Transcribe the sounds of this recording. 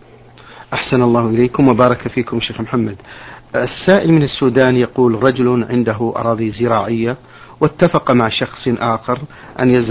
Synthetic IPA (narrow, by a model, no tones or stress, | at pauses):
ʔaħsanalˤːɑːhʔɪleːkʊmwabɑːɾˤɑkafiːkʊmʃeːxmħamːad̪ɪsːaːʔɪlmɪnasːuːd̪aːnjɑquːlɾˤɑd͡ʒʊlʕɪnd̪aɦʊʔɑ̰ɾˤɑːðˤizɪɾɑːʕɪjːa | wɪt̪ːafɑqmaʕʃɑxsˤʔaːxɑɾˤ | ʔa̰njaz